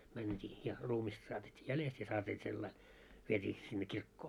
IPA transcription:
mæntʲiː jɑ ruːmistɑ sɑːtetʲːiː jælest jɑ sɑːtiː selːɑi ʋietʲiː sinːe kirkːoː

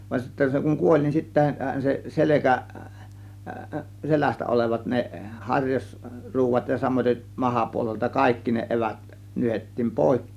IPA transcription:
ʋɑn sitːæ se kuŋ kuolʲ nin sitːæhæn se selekæ selæstæ oleʋɑt ne hɑrʲjɑs ruːʋɑt jɑ sɑmoiteʔ mɑhɑpuoleltɑ kɑikːi ne eʋæt nyhetːiːm poˑe̝kːeːn

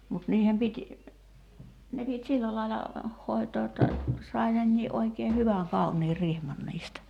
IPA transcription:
mut niːhem pitʲ ne pitʲ silːæ lɑilɑ hoˑi̞toː jotːɑ sɑi nenːiːʔ ʔoikeː hyʋæŋ kɑuniː rihmɑn niːstæ

